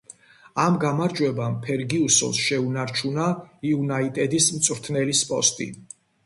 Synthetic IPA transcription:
amɡamaɾd͡ʒʼwɛbampʰɛɾɡiusɔ̰lsʃɛunaɾt͡ʃʰunaiunait̪ʼɛd̪ismt̪sʼɾt̪ʰnɛlispʼɔ̰st̪ʼḭ

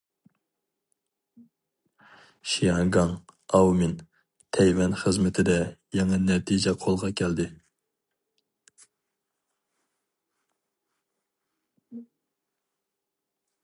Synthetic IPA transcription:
ʃijɑɡɑŋɑwmɪn | t̪ʰɛjwɛnχəzmɪt̪ʰɪd̪ɛjɛŋɑnɛt̪ʰid͡ʒɛqʰolˠʁɑkʲʰæld̪ɪ

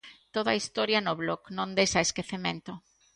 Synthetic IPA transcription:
t̪oðɐist̪oɾjɐnʊβlɔknõnd̪ejsɐeskeθemẽnt̪o

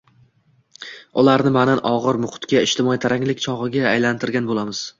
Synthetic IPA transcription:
ʊlaɾnɪmananʔɒʁɨɾmʊqʊ̥t̪kʲaɪʃt̪ʰɪmɒit̪ʰaɾaŋlɪk̚ʲt͡ʃʰɒʁɨɡʲaːjlant̪ʰɪɾɡʲanbolˠamɪz̥

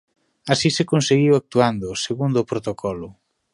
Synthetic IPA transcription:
asisekonseɣiwak̚t̪uand̪ʊseɣund̪ʊpɾot̪okʰɔlʊ

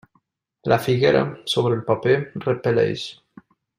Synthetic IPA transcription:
lʔafiɣeɾa̰soβɾəelˠpaperəpelɛ̰jʃ

